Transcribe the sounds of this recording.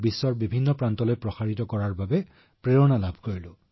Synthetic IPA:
bisːɔɹbibʱinːɔpɹantɔlojpɹɔxaɹitɔkɔɹaɹbabɛ | pɹeɹɔnalabʱkoɹilʊ

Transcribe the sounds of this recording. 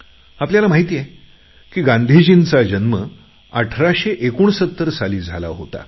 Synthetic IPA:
apljalamaɦit̪ijɛ | kiːɡãnd̪ʱid͡ʑint͡sad͡ʑənmə | əʈʰɾaɕeʔekuːɳsət̪ːəɾsaliːd͡zʱala̰ɦo̰t̪a̰

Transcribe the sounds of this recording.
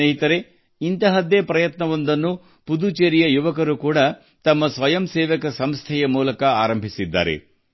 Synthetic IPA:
eːɦit̪ɐɾe̞ | int̪ɐɦɐd̪epɾɐjɐt̪nɐʋond̪ɐnːu | pud̪ut͡ʃeːɾijɐjuʋɐkɐɾukuːɽɐ | t̪ɐmːɐsʋɐjɐmseːʋɐkɐsɐmst̪ʰɛjɐmuːlɐkɐaːɾɐmbʱisid̪ːa̰ːɾḛ

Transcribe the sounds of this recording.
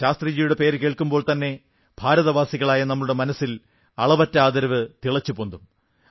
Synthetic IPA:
aːst̪rid͡ʑijuɽe̞pe̞ːɾɨke̞ːɭkumbo̞ːɭt̪ɐnːe̞ | bʱaːɾɐðɐʋaːsiɣɐɭaːjɐnɐmːɐɭuɽe̞mɐnɐsːil | ɐɭɐbɐtːɐaːd̪ɐɾɐʋɨt̪iɭɐt͡ɕːupond̪um

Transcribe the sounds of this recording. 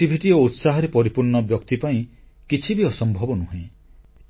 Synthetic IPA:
ibʱiʈiout̪saɦɔɾepɔɾipuɾɳɔbjɔkt̪ipaĩ | kit͡ʃʰibiɔsɔmbʱɔbɔnuɦẽ

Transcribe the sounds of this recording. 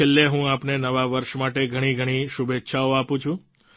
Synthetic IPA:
elːeɦũapnenəʋaʋəɾʃmaʈeɡʱəɽ̃iɡʱəɽ̃iʃubetːʃʰaoapũt͡ʃʰũ

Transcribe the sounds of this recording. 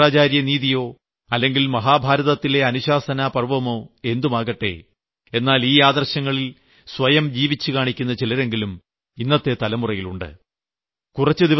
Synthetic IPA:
aːt͡ɕaːɾjɐniːðijo̞ː | ɐlːe̞ŋɡilmɐɦaːbʱaːɾɐðɐt̪ːile̞ɐnuɕaːsɐnaːpɐrʋɐmo̞ːe̞nd̪umaːɣɐʈːe̞̰ː | e̞nːaːliːaːd̪ɐrɕɐŋːɐɭil | sʋɐjɐmd͡ʑiːʋit͡ɕːɨkaːɳikʲːunːɐt͡ɕilɐɾe̞ŋɡilum | inːɐt̪ːe̞t̪ɐlɐmurɐjiluɳɖɨ̰ | kurɐt͡ɕːɨd̪iʋ

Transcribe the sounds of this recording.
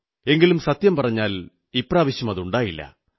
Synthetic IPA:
e̞ŋɡilumsɐt̪jɐmpɐrɐɲːaːl | ipraːʋiɕjɐmɐðuɳɖaːjilːɐ̰

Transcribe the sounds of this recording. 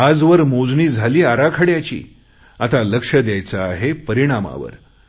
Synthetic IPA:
ad͡zʋəɾmod͡zniːd͡zʱaliːaɾakʰəɽjat͡ɕḭː | at̪aləkʂəd̪jajt͡saːɦepəɾiɽ̃ama̰ʋə̰ɾ

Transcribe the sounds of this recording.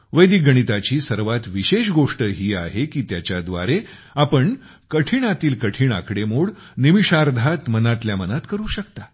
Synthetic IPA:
ʋəjd̪iɡəɽ̃it̪at͡ɕiːsəɾʋat̪ʋiɕeɕɡoʂʈəɦiːaɦekiːt̪jat͡ɕjad̪ʋa̰ɾe | apəɳ | kəʈʰiɳ̃at̪iːlkəʈʰiːɳa̰kɽemoɽ | niʋiʂaɾd̪ʱat̪mənat̪ljamənat̪kəɾuːɕəkt̪a

